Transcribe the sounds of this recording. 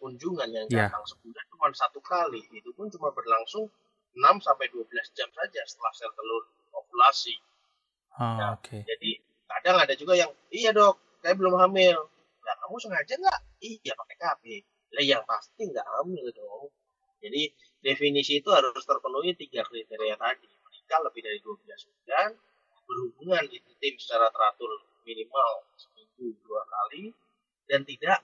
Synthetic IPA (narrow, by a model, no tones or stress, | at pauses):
kuɲd͡ʒuŋanjaŋɡaaŋsəkudaht̪upansat̪ukaliit̪upʊnt͡ʃumabərlaŋsʊŋ | ənamsampajduabəlasd͡ʒamsad͡ʒasə̥t̪əlahsɛrt̪əlʊn | okulasi | jaked͡ʒadi | kadaŋadad͡ʒuɡajaŋ | ijadɔk̚ːajaʔbəlʊmhamɪl | ɡaʔkamusəŋad͡ʒaŋɡaʔ | ijapakɛkapɪ | lajaŋpast̪iŋɡa̰ʔkamuadɔ | d͡ʒadi | definisiːt̪uɦaɾʊst̪ərpənuit̪iɡaklit̪eɾiat̪adiməɾikanləbɪhdaɾiduabilasbulan | bərhubuŋanɡit̪ut̪ɪmsə̥t͡ʃaɾat̪əɾat̪ʊn | minimalsə̥piɡuduakali | dant̪idaʔ